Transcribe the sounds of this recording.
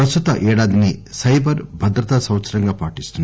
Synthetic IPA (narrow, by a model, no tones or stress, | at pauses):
ɾɐst̪ut̪ɐ̰ʔɛːɽaːd̪inisɐjbʱɐɾbʱɐd̪ɾɐt̪asɐwt̪sɐɾɐŋɡaːpaːʈist̪unː